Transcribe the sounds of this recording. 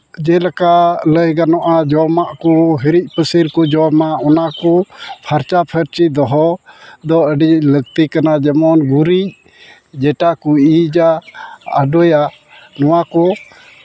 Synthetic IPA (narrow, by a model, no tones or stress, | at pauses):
d͡ʒɛlakaʔləjɡanɔʔad͡ʒɔmaʔkɔɦəɾic̚ˀpəsiɾkɔd͡ʒɔmaɔnakɔpʰaɾt͡ʃapʰəɾt͡ʃid̪ɔɦɔd̪ɔəɖiləɡ̚t̪ikanad͡ʒɛmɔnɡuɾic̚ | d͡ʒɛʈakuid͡ʒa̰ː | ɖɔja | nɔwakɔ